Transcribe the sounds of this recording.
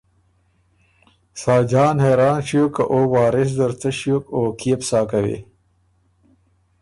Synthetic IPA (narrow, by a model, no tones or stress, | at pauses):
saːd͡ʑaːnheːɾaːnɕijokɐʔoːwaːɾis̬d̪ɐɾt͡sɐɕjokoːkiːpsaːkɐwḛ